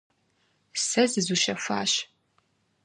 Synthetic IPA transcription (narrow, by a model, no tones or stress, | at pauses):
sɐzɨzuʃɐfʷa̰ːɕ